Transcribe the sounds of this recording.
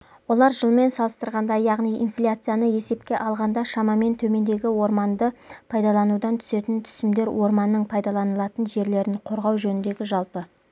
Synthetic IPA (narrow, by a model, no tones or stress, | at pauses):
wo̞lˠɑɾʒəlˠme̞nsɑlˠəst̪əɾʁɑnd̪ɑjɑʁnijḭnflʲat̪sɨjanəje̞se̞p̚kʲe̞ʔɑlˠʁɑnd̪ɑʃɑmɑme̞nt̪ʰɵme̞nd̪e̞ɡʲɪwo̞ɾmɑnd̪əpʰɑjd̪ɑlˠɑnud̪ɑnt̪ʰʏ̥se̞t̪ɪnt̪ʰʏ̥sɪmd̪e̞ɾwʔo̞ɾmɑnːəɴpʰɑjd̪ɑlˠɑnəlˠɑt̪ənʒe̞ɾle̞ɾɪɴqʰo̞ɾʁɑwʒɵnɪnd̪e̞ɡʲɪʒɑlˠpə